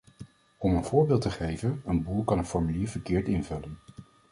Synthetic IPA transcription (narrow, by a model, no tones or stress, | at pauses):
ɔmənv̥ʊːɹbɪːlˠtəχejvənənbulˠkɑnənfɔɹmyliːɹvəɹkɪːɹtɪnvɵlən